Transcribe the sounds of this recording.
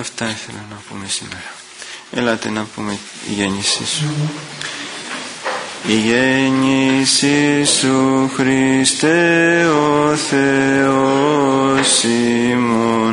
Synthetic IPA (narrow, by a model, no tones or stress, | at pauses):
ɐft̪ɐiθe̞̰lɐnɐpṵme̞sḭme̞ɾɐ | ḛlɐt̪e̞nɐpume | ḭʝe̞nisḭsu | iʝeɲisisuxɾist̪eoθe̞o | s | imo